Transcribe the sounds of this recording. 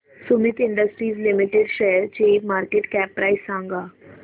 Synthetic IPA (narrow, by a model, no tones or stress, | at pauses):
sumit̪iɳɖəsʈɾiːzlimiʈeɖɕeɦɾt͡ɕimaɾkeʈkæpːɾaisːãŋɡa